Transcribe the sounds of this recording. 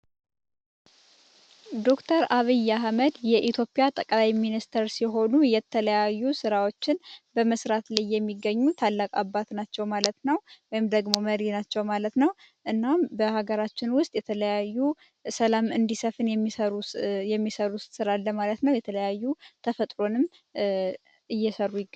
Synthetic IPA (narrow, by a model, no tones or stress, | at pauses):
d̪o̞kt̪ʰəɾaβɨjːaɦməd̪jɛʔit̪ʰjo̞pʼijat̪ʼəkʼlajminist̪ʰəɾsiɦo̞nujɛt̪ʰələjajːusɨɾawo̞t͡ʃːɪnbəməsɾat̪lajːɛmːiɡəɲːut̪ʰalːakʼabːat̪nat͡ʃːɛwmalət̪nəwwɔjɪmd̪əɡmo̞məɾinat͡ʃːɛwmalət̪nəw | ʔɨnːambəhaɡəɾat͡ʃːɪnwʊst̪ʼjɛt̪ʰələjajːu | səlamɨnd̪isəfɨnjɛmːiəɾujɛmːisəɾust̪ʼsɨɾalːəmalət̪nəwjɛt̪ʰələjajːut̪ʰəfət̪ʼɾo̞nɨm | ɨjːɛsəɾːujɪɡ